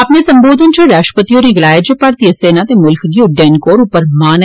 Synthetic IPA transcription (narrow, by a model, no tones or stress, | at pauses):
ɐpnesɐ̃mboːd̪ʱənt͡ʃoɾaːʃpət̪ijoɾiɡlaːjed͡ʒepɐɾt̪iəseːnat̪emʊlkɡiʊɖeːnkoːɾupəɾmaːn